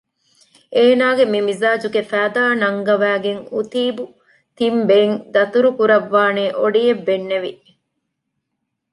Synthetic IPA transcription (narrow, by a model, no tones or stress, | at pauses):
ʔeːnaːɡemimizaːd͡ʒuɡefæːd̪aːnɐŋɡɐʋæːɡeŋut̪iːbu | t̪imbeiŋd̪ɐt̪uɾukuɾɐʋːaːneːʔoɖijebːenːeʋi